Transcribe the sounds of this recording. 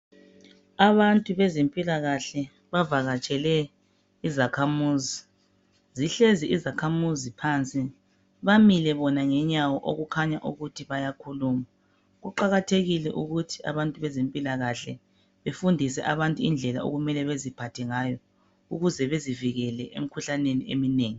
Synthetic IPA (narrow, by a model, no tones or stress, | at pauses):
aβantʼuβɛzempʼilaɣaɬɛ | βavaɣat͡ʃʼɛlɛ | izakʰamuːzi | ziɬeziʔizakʰamuzipʰant͡sʼi | βamilɛβɔnaŋɛɲawɔʔoɣukʰaɲaʔuɣutʰiβajakʰuluma | ɣuǃaɣatʰeɣilɛʔuɣutʰia̰βantʼuβɛzempʼilaɣaɬɛ | βefundʱisɛ̰ʔaβantʼuind͡ɮʱɛla̰o̰ɣumɛlɛβezipʰatʰɛŋaːjɔ | uɣuzɛβeziviɣɛlɛʔḛm̩ikʰuɬaneniḛmineːŋi